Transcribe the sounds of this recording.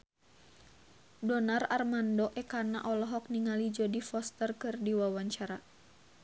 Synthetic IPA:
dɔnararmandɔʔɛkana̰ʔɔlɔɦɔk̚niŋalid͡ʒɔdifɔst̪ərkɨrdiwawaɲt͡ʃaɾa

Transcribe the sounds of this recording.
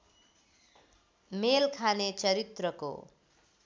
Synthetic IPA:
melkʰanet͡sʌɾit̪rʌko̰

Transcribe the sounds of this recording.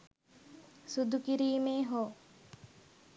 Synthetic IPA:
sud̪ukiɾiːmeːɦoː

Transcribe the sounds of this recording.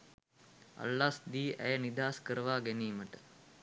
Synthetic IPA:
a̰lːasd̪iːʔæ̰jənid̪aːskəɾəʋaːɡæniːməʈə

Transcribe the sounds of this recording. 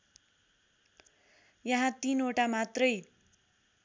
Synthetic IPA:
jʌɦãt̪inoʈamat̪rʌj

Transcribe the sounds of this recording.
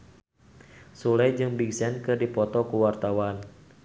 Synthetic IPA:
sulɛjd͡ʒɨŋbiɡsɛnkɨrdipɔt̪ɔkuwart̪awan

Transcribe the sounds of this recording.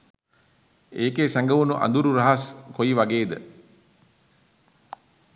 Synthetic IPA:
eːkeːsæŋɡəʋunuʔa̰nd̪uɾuɾɐɦaskoiʋaɡeːd̪ə̰

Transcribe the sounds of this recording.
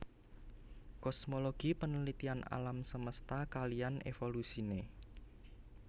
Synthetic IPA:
kɔsmoloɡ̥ipənəlit̪iana̰lamsəməst̪akalijanḛfolusine

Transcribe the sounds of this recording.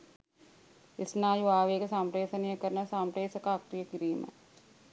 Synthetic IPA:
ɪsnaːjuʋaːʋeːkəsaːmpɾeːsɐnijəkəɾnɐsaːmpɾeːsɐkaːkɾijəkiɾiːmə̰

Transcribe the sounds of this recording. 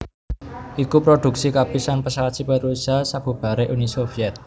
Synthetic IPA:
ʔikupɾod̥ṳksikapisanpəsalasipəɾusasab̥ṳb̥a̤ɾeʔunisofiɛt̪̚

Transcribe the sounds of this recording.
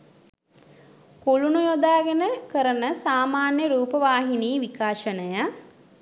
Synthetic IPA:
koɭunujod̪aːɡenəkəɾənəsaːmaːnjəɾuːpəʋaːɦiniːʋikaːʃənəja

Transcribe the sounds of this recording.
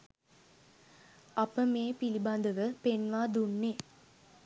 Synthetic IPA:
apəmeːpiliband̪əʋəpenʋaːd̪unːe

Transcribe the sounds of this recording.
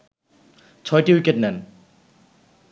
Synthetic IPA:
t͡ʃʰɔjtiwiket̚nɛn

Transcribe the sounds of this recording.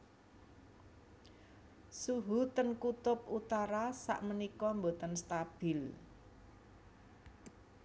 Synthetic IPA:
suɦut̪ənkut̪ʊp̚ut̪aɾasa̰ʔmənikɔmbot̪ənst̪ab̥ɪl

